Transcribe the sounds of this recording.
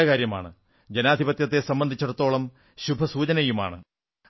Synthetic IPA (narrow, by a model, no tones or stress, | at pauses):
ɐkaːɾjɐma̰ːɳɨ | d͡ʑenaːd̪ʱibɐt̪jɐt̪ːe̞sɐmbɐnd̪ʱit͡ɕːɐɽɐt̪ːo̞ːɭɐm | ɕubʱɐsuːt͡ɕɐnɐjuma̰ːɳɨ̰